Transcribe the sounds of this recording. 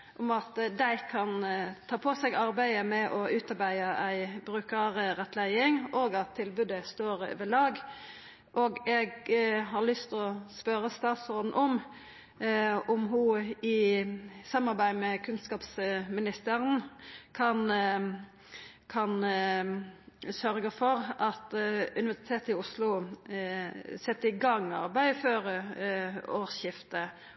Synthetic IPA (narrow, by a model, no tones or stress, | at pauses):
ʔɔmɑt̪d̪æɪkʰɑnt̪ʰɑːpʰɔsɛɡɑɾbæɪəmɛʔɔʉːt̪ɑɾbæɪɑʔæɪbɾʉːkəɾəʁɛt̪læɪɪŋoːɡɑt̪ʰːɪlbʉːd̪əst̪oːɾʋɛlɑːɡ | ʔoːɡɛɡɦɑʁlʏst̪ɔspœɾəst̪ɑːt̪sɔd̪nʔɔm | ɔmɦʊɪ | sɑmːɑɾbæɪmɛkʰʉnskɑːpsmɪnɪst̪əʁənkʰɑn | kʰɑn | sœɾɡəfɔɾɑt̪ʉnɪʋæʁsɪ̥t̪ʰeːt̪ɪʊslʊ | sɛt̪ːəɪɡɑŋːɑ̰ɾbæɪføːɾə | oːɾʃjɪft̪ə